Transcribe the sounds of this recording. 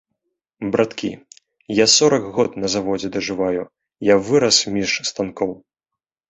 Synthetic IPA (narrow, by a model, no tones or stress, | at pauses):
bɾʔat̪kʲʰḭ | jasɔɾɐkɣɔt̪nɐzavɔd͡zʲɛd̪ɐʐɨvaju | javɨɾɐsmʲiʂst̪ankɔw